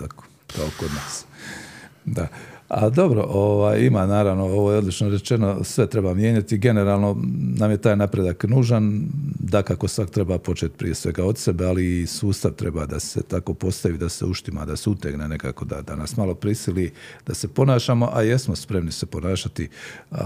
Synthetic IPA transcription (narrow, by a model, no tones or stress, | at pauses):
ako̥ | kaoko̞d̪naːs | d̪aa̰d̪o̞bɾo̞̰ʔoːʋaːjimanaːɾaʋno̞o̞ʋojeo̞d̪lit͡ʃnoɾe̞t͡ʃe̞no̞sʋe̞t̪ɾebamje̞ːɲat̪iɡe̞neɾaːlˠno̞naːmjet̪aːjnapɾed̪aknuːʒand̪akako̞sʋakt̪ɾe̞baːpo̞t͡ʃet̪̚pɾḭje̞sʋe̞ɡaod̪se̞bealiːsuːst̪aʋt̪ɾe̞bad̪ase̞̰t̪ako̞po̞st̪aʋiːd̪aseuʃt̪ima̰d̪aseut̪eɡnene̞ka̰ːko̞d̪a̰d̪anasmalo̞pɾisilid̪̥ase̞po̞naːʃaːmoʔaje̞smospɾe̞mnisepo̞naːʃat̪i